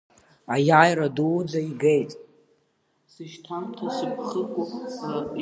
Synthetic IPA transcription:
ajajɾaduwd͡zaiɡejtʼ | sɨʃtʰamtʰasɨpʰχəkʷʼʊ

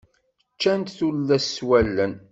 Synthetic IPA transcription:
t͡ʃːænt̪θulːæsːwælːən

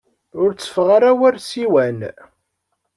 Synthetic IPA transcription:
ʊɾt͡sːə̥fʁaɾawæɾsiwæn

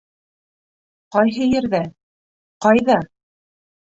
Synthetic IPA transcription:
qɑjɦɤjɘ̆ɾðæ | qɑjðɑ

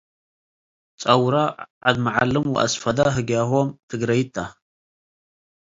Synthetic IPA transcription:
t͡sʼɐwɾaʕad̪mɐʕalɨmwʊ̰ʔɐ̰sfɐd̪aɦɨɡjaxʷɔmt̪ʰɨɡɾɐjt̪ʰːa

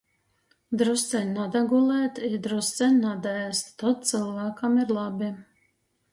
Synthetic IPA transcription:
d̪ɾust̪sɛnʲnad̪aɡulˠɛːt̪id̪ɾust̪sʲɛnʲnad̪ast̪t̪ːɔt̪̚t̪sɨlˠvæːkamiɾlˠabʲi

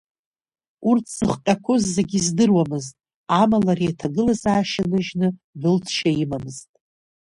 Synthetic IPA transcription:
urtʰz̥ɨχqʲʼakʷʰozːeɡʲizdɨrwamɨztʼ | amalarijatʰaɡɨlazaːʃanɨʒnɨbɨltʰʃaimamɨztʼ

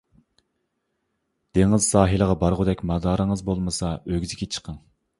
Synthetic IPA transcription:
d̪̥eŋɪz̥sɑːɦilˠəʁɑbɑɾʁʊd̪ɛkʲmɑd̪ɑːɾəŋəzbolˠmɨsɑøɡʲizɪkʲet͡ʃʰə̥qʰɑŋ

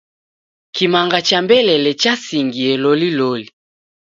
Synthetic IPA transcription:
kimaŋɡat͡ʃambɛlɛlɛt͡ʃasiŋɡiɛloliloli

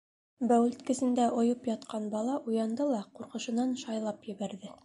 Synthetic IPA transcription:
bæwɘ̆lt̪kɘ̆sɘ̆nd̪æʔŏjɤpjɑt̪̚qɑnbɑlˠɑʔujɑnd̪ɤlˠɑquɾqɤ̆ʃɤ̆nɑnʃɑjlˠɑpjɘ̆βæɾðɘ

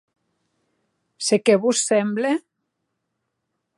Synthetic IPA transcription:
sekeβussemble

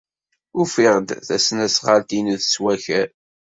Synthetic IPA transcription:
ʊfiʁd̪θæsnæsʁalt̪inuðswæçæɾ

